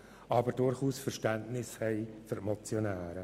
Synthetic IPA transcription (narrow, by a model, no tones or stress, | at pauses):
ʔɑbəɾdʊɾχuːsfərʃtæntnɪshɛɪfʏɾmɔt͡sjonæːɾə